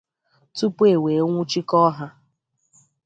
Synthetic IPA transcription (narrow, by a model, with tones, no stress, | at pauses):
tu˦pu˦e˨we˨˦ŋʷʊ˦t͡ʃi˦kɔ˦ɦa˦